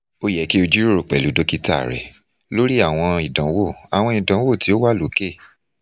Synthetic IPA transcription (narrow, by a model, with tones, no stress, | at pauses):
o˦jɛ˨˦ki˦o˧d͡ʒi˦ɾɾo˨k͡pɛ˨lu˨˦do˦ki˦ta˦˨ɾɛ̰˨ | lo˦ɾi˦a˦˨w̃ɔ̃˧i˨dã˨˦wo˦˨a˨w̃ɔ̃˧i˨dã˨˦wo˦˨ti˨˦o˦wa˦˨lo˨˦ke˦˨